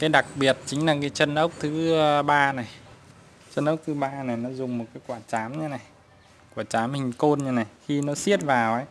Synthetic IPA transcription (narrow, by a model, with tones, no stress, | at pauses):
kaː˨˦jɗa˨˩k̚ɓi˨˩ət̚t͡ɕï˨˦ŋ̟laː˨˩kaː˨˦jt͡ɕə˧nʔə˦˥wk͡p̚t̪ʰɨ˨˦˧ɓaː˧na˨˩j | t͡ɕə˧nʔə˦˥k͡p̚t̪ʰɨ˨˦ɓaː˧na˨˩jnɔ˨˦zʊ˨˩ŋ͡mmo˨˩t̚kaː˨˦jkwaː˧˩t͡ɕaː˨˦mɲa˧na˨˩j | kwa˧˩t͡ɕaː˨˦mhï˨˩ŋ̟ko˧nɲa˧na˨˩jxi˧nɔ˨˦si˦˥ət̚vaː˨˩wʔə˨˦j